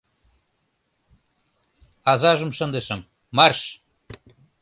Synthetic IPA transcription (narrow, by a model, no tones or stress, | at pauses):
ɑzɑʒə̆mʃɤ̆nd̪əʃə̆mː | ɑrʃ